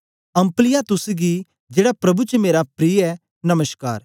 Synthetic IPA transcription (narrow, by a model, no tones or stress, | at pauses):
ɐ̃mplɪjat̪ʊsɡi | d͡ʒeːɽapɾɐbut͡ʃəmeːɾapɾiːɛ | nɐməska̰ːɾ